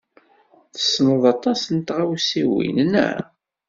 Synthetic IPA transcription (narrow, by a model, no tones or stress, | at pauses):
θə̥snəðˤɑt̪ˤɑsənt̪ʁawsiwḭnnæ̰